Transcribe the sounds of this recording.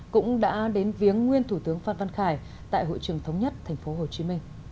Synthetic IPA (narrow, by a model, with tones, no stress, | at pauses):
kʊ̰˧˥ŋ͡mɗa̰ː˧˥ɗe˨˦nvi˨˦əŋːwi˧ənt̪ʰu˧˩t̪ɨ˨˦əŋfaː˧nva˧nxaː˧˩j | t̪a̰ː˧˨jɦo̰˧˨jt͡ɕɨ˨˧˩əŋt̪ʰə˨˦wŋ͡mɲə˦˥t̚t̪ʰɛ˨˩jŋ̟fo˨˦ɦo˨˩t͡ɕi˨˦mï˧ŋ̟